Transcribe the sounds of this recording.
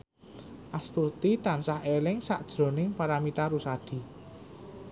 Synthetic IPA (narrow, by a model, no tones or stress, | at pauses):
ʔast̪urt̪it̪ansahelɪŋsa̰ʔd̥ʒ̥ɾo̤nɪŋpaɾamit̪aɾusad̪̥i̤